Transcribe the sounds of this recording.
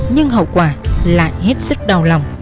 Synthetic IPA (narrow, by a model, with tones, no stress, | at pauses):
ɲɨ˧ŋɦə̰˧˨wkwaː˨˩la̰ː˧˨jɦe˦˥t̚sɨ˦˥k̚ɗə˨˩wla˨˩wŋ͡m